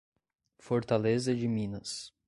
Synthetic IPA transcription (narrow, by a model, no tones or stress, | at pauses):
foɾt̪alezɐd͡ʒɪmĩnɐs